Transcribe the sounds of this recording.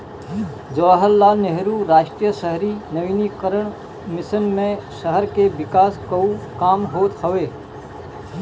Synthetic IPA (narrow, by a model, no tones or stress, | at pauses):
d͡ʒɔːɦəlːaːneɦɾuːɾaːʃʈɾijəʃəɦɾinɐʋiːniqəɾəɳ̃ | mɪsənmẽʃɐɦəɾkeʋɪkaːskɐũkaːmɦoːt̪hɐʋeː